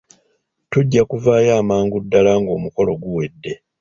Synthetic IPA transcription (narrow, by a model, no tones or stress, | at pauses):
tuɟːakuvaːjaːmaːŋɡudːalaːŋɡo̞ːmuko̞lo̞ɡuwe̞dːe̞